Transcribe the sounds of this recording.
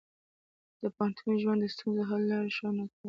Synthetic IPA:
d̪̥əpahant̪ʰunoʒwand̪əst̪unzoɦalːɑɾeʃɑnaka

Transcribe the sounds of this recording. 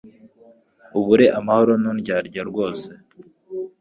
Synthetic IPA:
uβuɾe̞ʔamaho̞ɾonunɟaːɾɟaɾɡo̞ːse̞

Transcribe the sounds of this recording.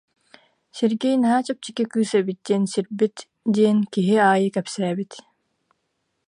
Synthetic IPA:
siɾɡɛjnɐɦaːt͡ɕap̚t͡ɕi̥kikyːsɛbit̪̚d̪iɛnsiɾbit̪ | d̪iɛnkiɦiaːjɯkɛpsæːbit̪

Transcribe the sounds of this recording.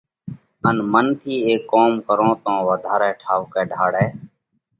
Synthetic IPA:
ənmənt̪ʰiːeːkːoːmkəɾõːt̪õːʋəd̪ʱaːɾɛːʈʰaːʋkɛːɖʱaːɽɛː

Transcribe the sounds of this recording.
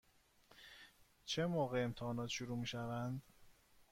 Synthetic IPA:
t͡ʃʰe̞moːɣeːmt̪ʰehɒːnɒːt̪ʃuɾuːmiːʃævænd̪

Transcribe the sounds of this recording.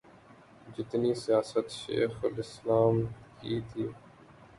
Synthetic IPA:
d͡ʒɪt̪nisijaːsət̪ʃḛːxəlɪslaːmkiːt̪ʰiː

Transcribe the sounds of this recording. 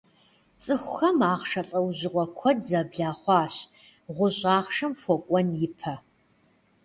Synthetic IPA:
t͡sʼɨxʷxɐmaːʁʂɐɬʼɐwʑɪʁʷɔkʷʰɔdzɐbɮaːχʷɑːɕ | ʁʷʊɕʼaːχʂɐmfʷɔkʷʼɔnjɪpʰɐ

